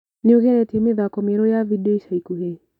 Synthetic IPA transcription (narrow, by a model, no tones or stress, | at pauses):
nioɣɛɾɛtemeðakɔmeɾojavideʃaikuɦe